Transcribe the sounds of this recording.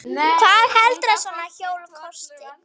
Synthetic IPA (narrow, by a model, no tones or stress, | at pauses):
kʰvaðhɛlt̪ɾɛsɔnaçoːwlkʰɔst̪ɪ